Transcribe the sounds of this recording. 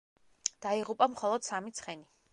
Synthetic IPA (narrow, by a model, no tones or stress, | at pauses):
d̪̥aiʁupʼamχɔlˠɔd̪̥samit̪sʰχɛni